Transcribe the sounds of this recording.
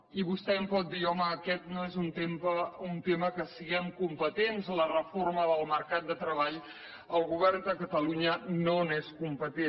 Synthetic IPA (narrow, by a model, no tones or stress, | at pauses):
iβust̪ɛəmpɔt̪̚d̪iɔməːkɛt̪̚noezunt̪empəunt̪eməkəsiɣɛmkumpət̪enzlərəforməðəlˠməɾkat̪̚d̪ət̪ɾəβaʎ | əlˠɣuβ̞ɛrnd̪əkət̪əluɲənoneskumpət̪e